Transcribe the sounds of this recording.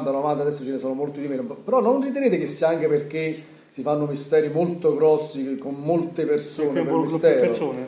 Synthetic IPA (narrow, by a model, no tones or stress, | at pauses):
t̪alamant̪ead̪ɛsːot͡ʃenesoːnomolt̪id̪imeːnpeɾɔnːonrit̪̬eneːt̪ekesːiaaŋkeperk̟e | sifanːomist̪ɛːɾimolt̪oɡɾɔsːikommolt̪epersoːnepemist̪ɛːɾooː